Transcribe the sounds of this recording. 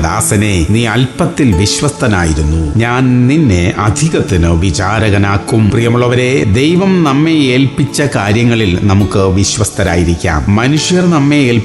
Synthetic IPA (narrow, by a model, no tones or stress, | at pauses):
ða̰ːsɐne̞niːɐlpɐt̪ːilʋiɕʋɐst̪ɐna̰ːjiɾunːuɲaːnninːeʔɐd̪ʱiɣɐt̪ːinɨʋit͡ɕaːɾɐɣɐnaːkːumprijɐmuɭɐʋɐɾe̞d̪ejʋɐmnɐmːe̞eːlpit͡ɕːɐkaːɾjɐŋːɐɭilnɐmukːɨʋiɕʋɐst̪ʰɐnaːjiɾikʲːa̰ːmmɐnuʂjɐrnɐmːe̞eːl